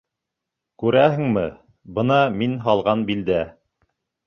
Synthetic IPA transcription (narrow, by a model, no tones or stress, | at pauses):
kʉɾæhɘ̆ŋmɘ | bɤnɑminɦɑlˠʁɑnbild̪æ